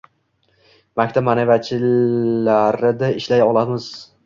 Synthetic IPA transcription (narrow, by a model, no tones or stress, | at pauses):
makʲt̪ʰapmanevat͡ʃʰɪlaɾɪd̪aɪʃlajɒlˠamɪz̥